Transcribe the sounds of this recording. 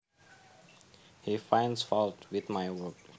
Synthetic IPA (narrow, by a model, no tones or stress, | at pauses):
hifãɪ̃ndsfɔlˠtwɪðmaɪwɜk